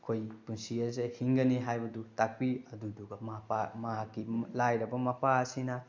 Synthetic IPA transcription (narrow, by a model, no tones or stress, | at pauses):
kʰojpunsiɐzehiŋɡɐniɦajbɐdutak̚piɐduduɡɐmɐpamɐɦakːilajɾɐbɐmɐpʰaɐsinɐ